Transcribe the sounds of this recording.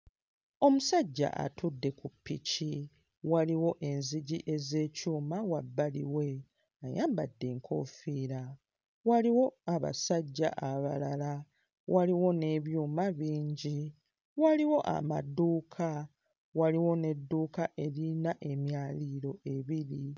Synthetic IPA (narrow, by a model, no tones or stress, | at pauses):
o̞musaɟːa̰ʔa̰tudːe̞kupːici | waliwo̞ʔe̞nziɟiʔe̞ze̞ːcuːmawabːalḭwe̞ | ajaːmbadːeːŋkʰo̞̰ːfiːɾa | waliwo̞aβa̰saɟːa̰ʔaβalala | waliwo̞ne̞βjuːmaβiːɲɟi | waliwo̞ʔa̰ma̰duːkʰa | waliwo̞ne̞dːuːkaʔe̞ɾinaʔe̞mjaːliɾo̞e̞βiɾi